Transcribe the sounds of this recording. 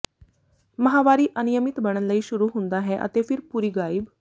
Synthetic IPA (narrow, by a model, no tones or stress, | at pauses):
məɦaʋaɾiːʔənijəmit̪bəɽ̃ənləiːɕuɾuːɦund̪aɦẽʔə̰t̪efiɾpuɾiːɡaib